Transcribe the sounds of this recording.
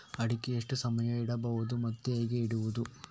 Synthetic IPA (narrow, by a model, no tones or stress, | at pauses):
ɐɽikːeeʂʈusɐmɐjɐiɽɐbɐʋud̪umɐt̪ːeeːɡeiɽuʋud̪u